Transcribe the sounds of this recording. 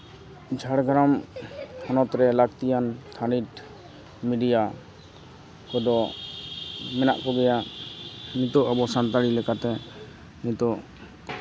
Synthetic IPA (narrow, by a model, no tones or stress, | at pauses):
d͡ʒʱaɽɡʱɾamhɔnɔt̪ɾɛlakt̪ijant̪ʰaniʈ | miɖija | kɔd̪ɔ | mɛna̰ʔkɔɡɛja | nit̪ɔʔabɔsant̪aɽilɛkat̪ɛ | nit̪ɔʔ